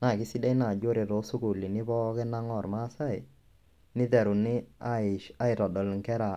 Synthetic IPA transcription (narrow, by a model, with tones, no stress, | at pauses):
na˦˨kɪ˦si˦dɛ˦jna˨d͡ʒo˦ɾe˨ɾo˨˦sʊ˦ku˨li˨nɪ˦pɔ˦kɪ˦na˦ŋɔ˨ɾma˦sa˦˨ɪ˨ | nɪ˦tɛ˨ɾu˨nɪ˦˨ | a˦ɪ˨ɾɔ˨dɔ˨lŋkɛ˦ɾa˨